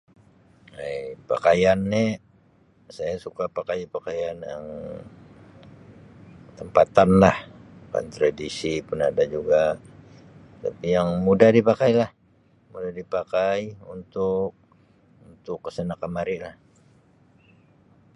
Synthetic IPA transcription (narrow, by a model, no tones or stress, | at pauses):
ejpa̰kajanːɛ | sajasukapakajpakajanja̰ŋ | t̪əmpat̪anlahka̰nt̪ɾadisipʊnadad͡ʒuɡa | t̪a̰pijaŋmudahdipakajlah | mudahdipakajunt̪ʊk̚ | unt̪ʊkːə̥sənakəmaɾilah